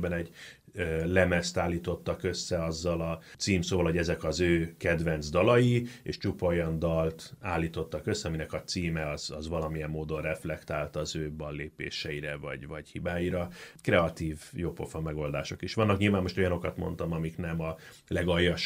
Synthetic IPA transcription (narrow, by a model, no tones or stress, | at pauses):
bɛnɛɟøːlɛmɛst̪aːlːiːt̪o̞t̪ːɒkø̞sːɛɒzːɒlɒt̪siːmsoːvɒlho̞ɟɛzɛkɒzøːkɛd̪vɛnzd̪ɒlɒjiḛʃt͡ʃupɒojɒnd̪ɒlt̪aːlːiːt̪o̞t̪ːɒkøsːɛɒminɛkɒt̪siːmɛɒz̥ɒzvɒlɒmijɛmːoːd̪o̞nrɛflɛkt̪aːlt̪ɒzøːbɒnleːpḛːʃɛiɾɛvɒ̰ɟvɒɟhibaːjiɾɒkrɛɒt̪iːvjopofɒmɛɡo̞ld̪aːʃo̞kiʃʋɒnːɒkɲilvaːmːo̞ʃt̪ojɒno̞kɒt̪mo̞̰nt̪ɒmɒmiknɛmɒ | lɛɡɒjːɒʃ